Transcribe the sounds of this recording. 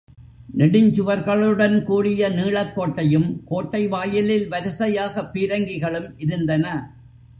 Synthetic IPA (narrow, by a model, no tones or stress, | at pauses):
nɪɽɪɲd͡ʒɯʋɐɾɣɐɭɯɽɐnkuːɽɪjɐniːɭɐkːoːʈːɐjɯmkoːʈːɐɪʋaːjɪlɪlʋɐɾɪsɐjaːɣɐpːiːɾɐŋɡɪɣɐɭɯmʔɪɾɯnd̪ɐnɐ